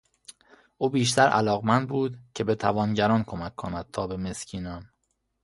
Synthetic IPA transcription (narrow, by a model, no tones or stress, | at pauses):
ʔuːbiːʃ̬t̪ʰæɾʔæ̰lɒːɣmænd̪̚buːd̪cʰe̞be̞t̪ʰævɒːnɟæɾɒːnkʰo̞mækʰːonæd̪̥̚t̪ʰɒːbe̞me̞scʰiːnɒm